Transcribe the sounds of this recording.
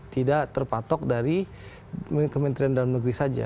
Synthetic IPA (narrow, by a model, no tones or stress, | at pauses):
t̪idaʔt̪ərpat̪ɔk̚daɾi | mkəmənt̪ɾiandalamnəɡɾisad͡ʒa̰